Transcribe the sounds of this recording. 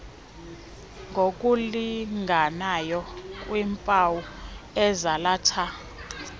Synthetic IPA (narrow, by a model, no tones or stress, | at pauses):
ŋɡʱokʼuliŋɡʱanajɔkʼwimpʼawuɛzalaːtʰa